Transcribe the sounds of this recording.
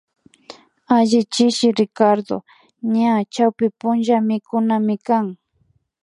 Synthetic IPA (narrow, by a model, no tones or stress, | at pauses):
aʒɪt͡ʃɪʃɪɾɪkaɾd̪o̰ | ɲat͡ʃawpɪpʊnʒamɪkʊnamɪkaŋ